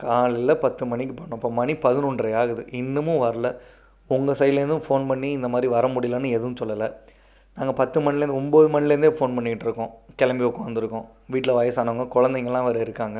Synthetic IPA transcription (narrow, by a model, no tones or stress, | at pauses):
kaːlɪlɐpɐt̪ːɯmɐɳːɪkːɯpɐɳːʊ̃ːpːoːmɐɳipɐðɯnuɳɖɾɐjaːɣɐðɯʔɪnːɯmʊ̃ʋɐɾɐlɐ | ʊŋɡɐsɐjɪlɐɾɯnd̪ɯfoːnpɐɳːiɪnd̪ɐmaːd̪ɾiʋɐɾɐmʊɽɪjlɐnːɯɛðɯʋɯ̃sɔlːɐlɐ | naːŋɡɐpɐt̪ːɯmɐɳɪlɐɾɯnd̪ɔmboːðɯmɐnːɪlɐɾɯnd̪eːfoːnpɐɳːɪkɪʈːɪɾɯkːõːkɛlɐmbiokːɐ̃ʋɐnd̪ɪɾɯkːõ | ʋiːʈːɪlɐʋɐjɐsaːnɐʋaːŋɡɐkʊɻɐnd̪ɛŋɡɐɭɛlːãːʋɐɾɐɪɾɯkːaːŋɡɐ